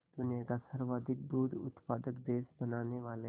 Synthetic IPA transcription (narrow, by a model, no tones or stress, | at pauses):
d̪ʊnijakasəɾʋaːd̪ɪk̚d̪uːd̪ʊ̰t̪paːd̪əkd̪eːsbɐnaːneʋaːle